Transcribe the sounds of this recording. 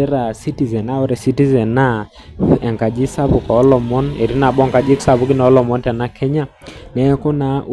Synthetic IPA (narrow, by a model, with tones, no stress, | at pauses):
ɛ˦ɾa˨si˦ti˨zɛ˨na˦o˦ɾɛ˨si˦ti˦zɛ˨nːa˦ | ɛ˨ŋka˨d͡ʒi˦sa˦bʊ˨kɔ˨ɔ˦lɔ˨mɔ˦ne˨ɾi˦na˨ɓɔ˦ŋka˨d͡ʒi˦ksa˨bu˦kɪ˦nɔ˨ɔ˦lɔ˨mɔ˦ntɛ˨na˦kʰɛ˦ɲa˦ | nɛ˦kɔ˦na˦ʔ